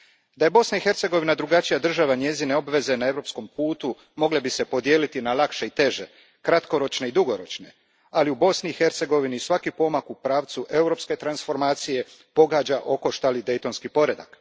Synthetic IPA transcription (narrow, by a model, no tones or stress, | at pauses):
d̪aje̞bo̞snaixe̞ɾt̪se̞ɡo̞ʋinad̪ɾuɡat͡ʃijad̪r̩ʒaʋaɲe̞zine̞o̞bʋe̞ze̞nae̞ʋɾo̞psko̞mpuːt̪u | mo̞ɡlebise̞po̞d̪je̞ːlit̪inalakʃe̞it̪e̞ʒe̞ | kɾat̪ko̞ɾo̞t͡ʃne̞id̪uɡo̞ɾo̞t͡ʃne̞ | aliubo̞sniːxe̞ɾt̪se̞ɡo̞ʋinisʋakipo̞makupɾaːʋt̪suʔe̞uɾo̞pske̞t̪ɾansfo̞ɾmaːt̪sije̞ | po̞ɡaːd͡ʑaʔo̞ko̞ʃt̪alid̪e̞jt̪o̞nskipo̞ɾe̞d̪a̰k